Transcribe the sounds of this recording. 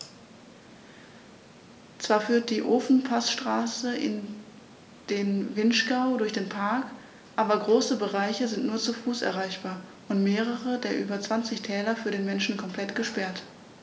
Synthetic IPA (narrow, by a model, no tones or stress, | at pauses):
t͡sv̥aːɐfyːɐt̚d̥iːʔoːfn̩pʰasʃtʁ̥aːsəʔɪ̰n | d̥eːnvɪnʃɡ̥aʊdʊɐçd̥eːnpʰaɐk | ʔaːbɐɡʁoːsəbəʁaɪçəzɪntnuːɐt͡sufuːsʔɛ̰ɐʁaɪçb̥aːɐʔʊntmeːʁ̞əʁədeːɐʔyːbɐt͡sv̥ant͡sɪçtʰɛːlɐfyːɐɾeːnmɛnʃn̩kʰɔmplɛtɡ̥əʃpɛɐt